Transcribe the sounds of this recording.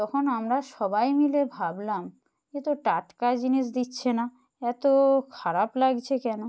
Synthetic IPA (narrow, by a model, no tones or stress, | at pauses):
t̪ɔkʰonamɾaʃɔbajmilebʱablam | et̪oʈaʈkad͡ʑiniʃ̬d̪itːɕʰena | ɛt̪okʰaɾaplaɡt͡ɕʰekɛno